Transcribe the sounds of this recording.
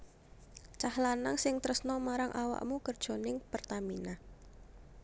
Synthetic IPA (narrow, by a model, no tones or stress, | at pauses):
t͡ʃahlanaŋsɪŋt̪əɾəsnɔmaɾaŋʔawa̰ʔmukərd̥ʒ̥o̤nɪŋpərt̪amina